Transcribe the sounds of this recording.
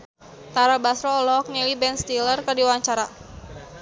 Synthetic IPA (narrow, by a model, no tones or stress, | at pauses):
t̪aɾabasɾɔːlɔk̚nilibɛnst̪ilərkadiwaɲt͡ʃaɾa